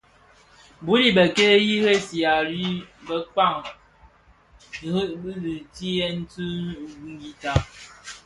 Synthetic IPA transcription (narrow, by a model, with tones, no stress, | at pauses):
bu˨˦li˦˨bə˨ke˦ji˦he˦si˨a˨ɾi˦bə˦ka˦˨ŋ˨ | hbi˦li˨ti˦ɛ˦n̩˦tu˦ɡi˦ɡi˦ta˦